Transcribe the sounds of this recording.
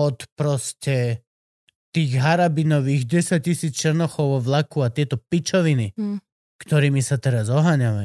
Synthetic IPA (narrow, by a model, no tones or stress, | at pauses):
ɔt̪pɾɔscɛ | t̪iːɣɦaɾabinɔʋiːɣɟɛsac̚cisiːt͡st͡ʃɛɾnɔxɔʊɔʋlakuat̪ɪɛt̪ɔpit͡ʃɔʋini | kt̪ɔɾiːmisat̪ɛɾazɔɦaɲaʋa